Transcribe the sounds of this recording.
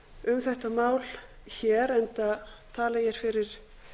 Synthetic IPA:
ʏmθɛht̪amaːwl | çɛːɾɛnt̪at̪ʰaːlajɛɾ̥fɪɾɪɾ̥

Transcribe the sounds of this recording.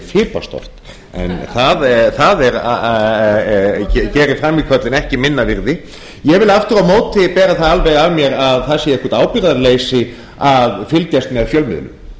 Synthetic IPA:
fɪːlpa̰st̪ɔ̰ft̪ | ɛ̰nθaðθaðɛɾa | ccɛːɾɪfɾamːikʰvœt̪lɪnɛhcɪmɪnːavɪɾðɪ | jɛɣvɪlaft̪ʏɾawmoːwt̪ɪpɛːɾaθaðalvɛjɣavmjɛɾaðθasjɛɛkɔ̥t̪aːwpjʏɾaðaɾlejsɪ | avfɪlc̪jast̪mɛðfjœlmɪ̰ðlʏ̰m

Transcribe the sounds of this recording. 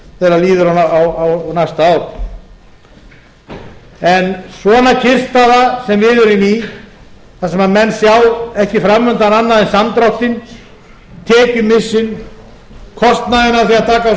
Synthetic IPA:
θɛɾaliːðʏɾaaawawnajst̪aaːw | ɛnsvɔːnacʰɪr̥st̪aðasɛmvɪðʏɾɪni | θasɛmaðmɛnsjawɛhcɪfɾamːœnt̪ananːaðɛnsamt̪ɾawht̪ɪn | t̪ʰɛːcʏmɪsːʏn | kʰɔst̪naðɪnaθiaðt̪ʰaːka

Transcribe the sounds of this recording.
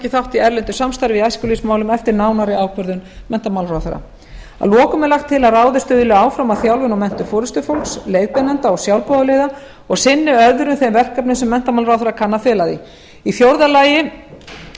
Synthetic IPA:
cɪθawht̪iɛɾlɪnt̪ʏsamst̪ajɾɪvɪðajskʏlismaːwlʏmɛft̪ɪɾnaːwnaɾɪawkʰœɾðʏnmɛn̥t̪amawlraːwθœɾa̰ | a̰ðlɔːkʏmɛɾlaxt̪ʰːɪlaðraːwðɪst̪ʏːðʏlɪaːwfɾamaðθjawlvʏnawmɛn̥t̪ʏfɔːɾʏst̪ʏfowlkslejðpɛnɛnt̪aɔɣsjawlpɔðʏlejða | ɔɣsɪnːɪœðʏɾʏmθejmvɛr̥kapnɪnsɛmːɛn̥t̪amawlɾawθœɾakʰanːafɪːlaðɪ̰ | iθjowɾðalaːjɪ

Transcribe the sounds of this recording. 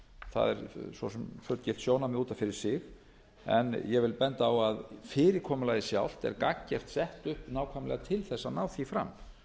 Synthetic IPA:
θa̰ðɛ̰ɾsvɔsɛmfœɾt̪cɪlt̪sjownamɪuːt̪anfɪɾɪɾ̥sɪx | ɛ̰njɛvɪlpɛnt̪aːwaðfɪːɾɪkʰɔːmʏlajðɪsjawl̥t̪ɛ̰ɾkakcːɛr̥t̪sɛht̪ʏhpnaːwkʰvajmlɛ̰ɣat̪ʰɪlθɛsːanaːwθifɾa̰mː

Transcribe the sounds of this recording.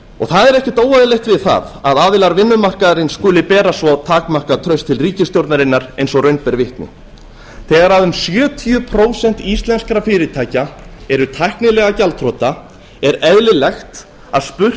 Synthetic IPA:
ɔɣθaðɛɾɛhcɪt̪oːwvaðɪlejht̪vɪðθa̰ðaðaːðɪlaɾvɪnːʏmar̥kaðɾɪnskʏːlɪpɛːɾasvɔt̪ʰaːkmar̥kat̪ʰɾœɥst̪ʰɪlriːcɪst̪jowɾt̪naɾɪnːaɾejnsɔrœɥjnpɛɾvɪht̪nɪ̰ | θɛːɣaɾaðʏmsjœːt̪ʰiʏpʰɾoːwsɛn̥t̪ist̪lɛnskaɾafɪːɾɪt̪ʰaːjcaɛɾʏt̪ʰajhknɪlɛːɣacalt̪ʰɾɔt̪a | ɛɾɛvlɪlɛxt̪ | aðspʏr̥

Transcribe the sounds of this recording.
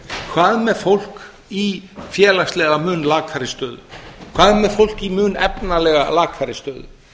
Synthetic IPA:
kʰvaːðmɛðfowl̥k | ifjɛːlast̪lɛɣamʏːnlaːkʰaɾɪst̪œːðʏ̰kʰvaːðmɛðfowl̥kimʏːnɛpnalɛɣa̰laːkʰaɾɪst̪œːðʏ̰

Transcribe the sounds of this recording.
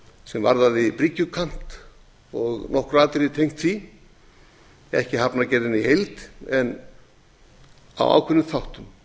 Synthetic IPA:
sɛmva̰ɾðaðipɾicːʏkʰam̥t̪ | ɔɣnɔhkɾaːt̪ɪɾɪt̪ʰejŋ̥t̪θi | ɛ̰hcɪɦapnacɛːɾðɪnihejlt̪ɛn | a̰wa̰ːwkʰvʏnːʏθawht̪ʏm

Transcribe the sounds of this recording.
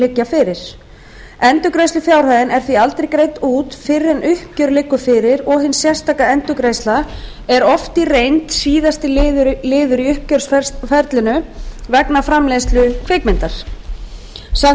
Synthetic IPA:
lɪcːafɪɾɪɾ̥ | ɛnt̪ʏkɾejst̪ʏfjawr̥haːðɪnɛɾ̥θvialt̪ɾejkɾejt̪uːt̪fɪrːɛnʔʏhp̚cœɾlɪkːʏfɪɾɪɾɔɣɦɪnsːjɛr̥st̪ʰaːkaɛnt̪ʏkɾejsla | ɛɾɔft̪irejnt̪siːðast̪ɪlɪðʏɾlɪːðʏɾiʏhpcœɾ̥sfɛɾt̪lɪnʏvɛknafɾamlest̪lʏkʰɪkmɪnt̪aɾ̥ | sa

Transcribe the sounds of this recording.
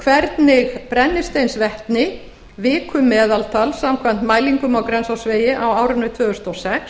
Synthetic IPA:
kʰvɛɾt̪nɪɣpɾɛnːɪst̪ejnsvɛht̪nɪ | vɪːkʰʏmɛːðalt̪ʰalsamkʰvan̥t̪maːjliŋkʏmawkɾɛnsawsveːjɪʔawaːwɾʏnːʏt̪ʰvʏːɣʏst̪ɔsɛks

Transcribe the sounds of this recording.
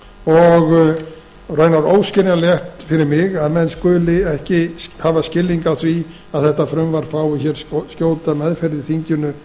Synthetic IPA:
ɔɣ | rœːɥnaɾowscɪnaljɛht̪fɪɾɪɾmɪɣaðmɛnskʏːlɪɛhcɪhavascɪlːiŋkaθvi | aðθɛht̪afɾʏmvaɾ̥faːwɪçɛɾ̥scoːwt̪amɛðfɛɾðɪθiɲcʏnʏ

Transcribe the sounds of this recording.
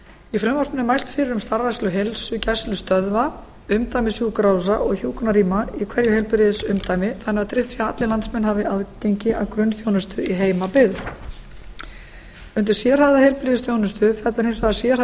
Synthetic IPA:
ifɾɛmvart̪nɪnɪmajl̥t̪fɪɾɪɾʏmst̪aɾvajstlʏɦelsʏcajslʏst̪œðva | ʏmt̪ajmɪsjuːkɾaws̬aʔɔɣçuːkɔnaɾiːmaikʰvɛɾjʏhejlpɪɾɪðsʏmt̪ajmɪθanːɛat̪ɾɪht̪sjɛɣat̪lɪlant̪smɛnːhavɪʔaðceɲcɪʔawkɾʏnːθjownʏst̪ʏiɦeːjmapɪɣð | ʏnt̪̬ɪɾ̥sjɛɾ̥haðahejlpɪɾɪðɪsθjownʏst̪ʏfɛt̪laʏɾhensasjɛɾ̥

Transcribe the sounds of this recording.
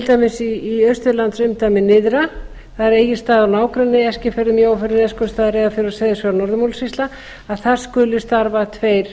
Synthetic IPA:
t̪ʰɪlt̪ajmɪsiːœɥst̪ʏlant̪sʏmt̪ajmɪnɪðɾa | θaðɪɾeːjɪ̥st̪aːðawnaːwkɾʏnːɪɛscɪfɛɾðʏmjiaːwfɛɾɪnɛskʏɾst̪aːðɪɾeːðafɪɾɪɾɔsɛːðɪsœɾnɔɾðʏmowlsvist̪la | aðθaɾ̥skʏlʏst̪aɾvat̪ʰveːjɾ̥

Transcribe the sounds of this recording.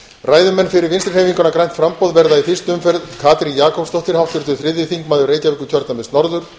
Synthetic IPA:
raːjðʏmɛnːfɪɾɪɾvɪnst̪ɾɪr̥heːjviŋkʏnakɾajn̥t̪fɾampɔwðvɛɾðaiθɪst̪ʏmfɛɾðkʰaːt̪ɾijaːkʰɔpst̪ɔht̪ɪɾ̥hawt̪ʏɾ̥t̪ʏ̥θɾɪðːɪθiŋkmaːðʏɾreːjcavɪkːʏcʰœɾt̪namɪsnɔɾðʏɾ̥

